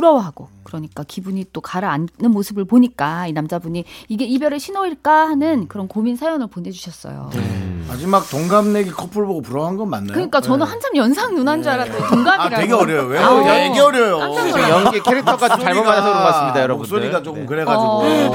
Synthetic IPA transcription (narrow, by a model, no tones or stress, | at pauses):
puɾʌwɦaɡ̥okɯɾʌɲik͈akibuɲit͈okaɾaannɯnmosʰɯbɯɭpoɲik͈ainamd͡ʑabuɲiiɡe̞ibjʌɾeɕʰinoiɭk͈ahanɯnkɯɾʌnkominsʰajʌnɯɭpone̞d͡ʑuɕʰʌs͈ʌ̰jo̰ḛma̰d͡ʑimak̚toŋɡamne̞ɡekʰʌpʰɯɭboɡopuɾʌɦanɡʌnmanːakɯɲik͈at͡ɕʌnɯnhand͡ʑʰamjʌnsʰaŋnunand͡ʑuaɾat͈ʰoŋɡamiɾaeɡeʌɾjʌjoweaeɡeʌɾjʌjoand͡ʑʰaŋjʌɡekʰeɾɯk̚tʰʌɡ͈ad͡ʑot͡ɕaɭmoadoɾoɡas͈ɯmɲidajʌɾʌous͈oɾiɡat͡ɕok͈ɯmkɯɾe̞ɡad͡ʑio